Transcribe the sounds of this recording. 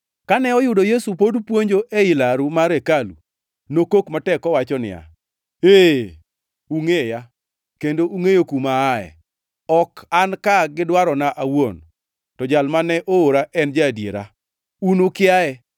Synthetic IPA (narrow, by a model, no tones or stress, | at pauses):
kanɛɔjʊdojesupodpwoɲd͡ʒoʔɛɪlaɾumaɾekalṵ | nokokmatɛkɔwat͡ʃɔnɪ̰ja̰ | e | uŋeja | kendoʔuŋejokumaːɛ̰ | ɔkankaɡɪdwaɾɔnaʔawon | tɔd͡ʒalmanɛʔooɾaʔɛnd͡ʒadjḛɾa̰ | unʊkɪaɛ